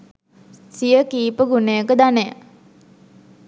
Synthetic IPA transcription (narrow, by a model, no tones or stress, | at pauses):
sijəkiːpəɡunejəkəd̪anejə